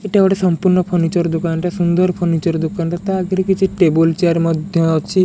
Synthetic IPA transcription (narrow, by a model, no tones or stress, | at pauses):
eʈebɔɽesɔmpuɾnɔpʰonit͡ʃɔɾd̪okanʈasund̪ɔɾpʰonit͡ʃɔɾd̪okanʈat̪aaɡeɾekit͡ʃʰiʈebolt͡ʃaɾmɔd̪ʱjɔɔt͡ʃʰi